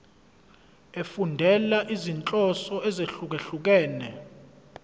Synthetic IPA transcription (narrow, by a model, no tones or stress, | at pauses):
efundʱɛlaʔizint͡ɬʼɔsɔɛzeɬuk̬eɬuk̬ɛːnɛ